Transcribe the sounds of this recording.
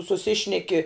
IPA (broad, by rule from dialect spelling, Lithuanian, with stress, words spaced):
sʊˈsʲɪʃʲnʲɛkʲɪ